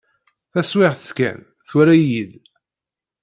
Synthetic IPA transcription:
θæswɪʁθə̥θkæ̰n | θʊɾæjid̪

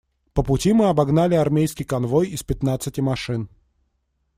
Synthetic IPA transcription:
pəpʊtʲimɨɐbɐɡnalʲɪɐrmʲejskʲɪjkɐnvojɪspʲɪt̪nat̪sɨtʲɪmɐʂɨn

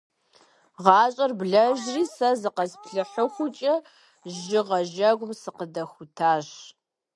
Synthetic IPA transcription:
ʁɑːɕʼɐrbɮɐʒriːsɐzɨqɐzpɬɨħəxʷʊt͡ʃʼɐ | ʒɪʁɐʒɐɡʷʊmsɨqədɐxʷʊtʰaːɕ

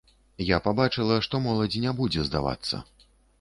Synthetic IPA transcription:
japabat͡ʂɨlˠɐʂt̪ɔmɔlˠɐd͡zʲinʲɛbud͡zʲɛzd̪a̰va̰t̪sːɐ̰

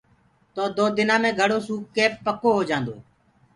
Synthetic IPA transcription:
t̪oːd̪oːd̪ɪnãːmẽːɡʱəɽoːsuːkːeːppːəkoːɦoːd͡ʒãːnd̪o̰ː

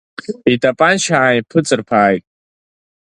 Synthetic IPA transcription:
itʼapʼanʃaʕːipʰɨt͡sʼɨrpʰaːjtʼ

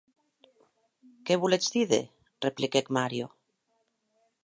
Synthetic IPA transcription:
keβulet͡sd̪iðḛ | replikekmaɾjo

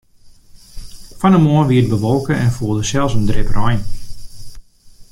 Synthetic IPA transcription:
fanəmoənʋiət̚bəʋɔlˠkəɛnfuːəlˠdəsɛlˠsəndrɪprɔjn

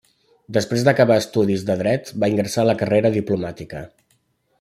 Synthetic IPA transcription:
d̪əspɾezd̪əkəβaəst̪uðizðəðɾɛt̪baiŋɡɾəsaləkəreɾəðiplumat̪ikə

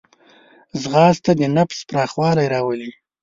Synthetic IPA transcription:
zɣɑst̪ad̪ənafspɾɑxwɑlajɾɑwəli

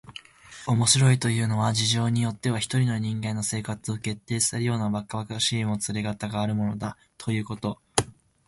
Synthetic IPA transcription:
o̞mo̞ɕiɾo̞it̪o̞jɯ̟ːno̞βad͡ʑiʑo̞ːɲ̟ijo̞t̪ːe̞βaçi̥t̪o̞ɾʲino̞ɲ̟ĩŋɡeino̞se̞ːkat͡sɨo̞ke̞t̪ːe̞ːsɨ̥seɾɯ̟jo̞ːnabakːaβakaɕiːmo̞t͡sɨɾeɡat̪aɡaːɾɯ̟mo̞no̞d̪a | t̪ʰo̞jɯ̟ːko̞t̪o̞

